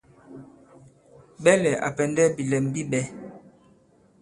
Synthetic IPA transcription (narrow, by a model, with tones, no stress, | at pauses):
ɓɛ˦lɛ˨ʔa̰˨pɛ˨ndɛ˦bi˨lɛ˨mbi˦ɓɛ˦